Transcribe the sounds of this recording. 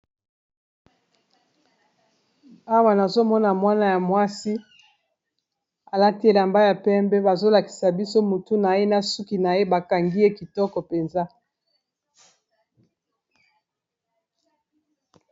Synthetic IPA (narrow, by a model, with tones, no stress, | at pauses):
a˦wa˨na˨zo˦mɔ˦na˨mwa˦na˨ja˨mwa˦si˦ | a˨la˦ti˦e˦˨la˨mba˦ja˨pɛ˦mbɛ˦ba˨zo˦la˨ki̥˨sa˨bi˦so˦mu˨tu˦na˨je˦na˨su˦ki˨na˨je˦ba˨ka˨ŋɡi˦e˦ki˨tɔ˦kɔ˨pe˨nza˦